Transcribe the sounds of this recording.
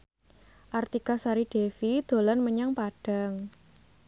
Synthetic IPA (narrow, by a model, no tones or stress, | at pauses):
ʔart̪ikasaɾiɖ̥efid̪̥o̤lɔnməɲaŋpaɖ̥a̤ŋ